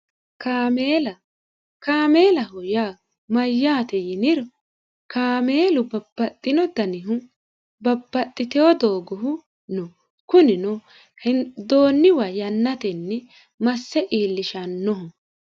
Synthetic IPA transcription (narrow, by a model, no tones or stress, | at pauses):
kaːmelɐ | kaːmeːlɐɦɔjaː | mɐjːaːt̪ɛjɪnɪɾɔ | kaːmeːlʊbɐbːɐt̪ʼːɪnɔd̪ɐnɪɦʊ | bɐbːɐt̪ʼːɪt̪ɛɔd̪oːɡɔɦʊ | nɔ | kʊnɪnɔ | hɛd̪oːnːɪwɐjɐnːɐt̪ɛnːɛ | mɐsːɛʔiːlːɪʃɐnːɔɦɔ